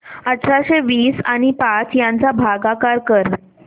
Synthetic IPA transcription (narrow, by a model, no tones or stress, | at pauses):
ətːɕaɕeʋiːsaɽ̃ipat͡sjant͡sabʱaɡakaɾkəɾ